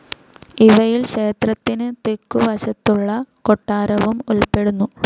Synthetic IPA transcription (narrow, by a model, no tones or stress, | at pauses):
iʋɐjilɕe̞ːt̪rɐt̪ːinɨt̪ekːuʋɐɕɐt̪ːuɭːɐkoʈːaːɾɐʋumulpe̞ɽunːu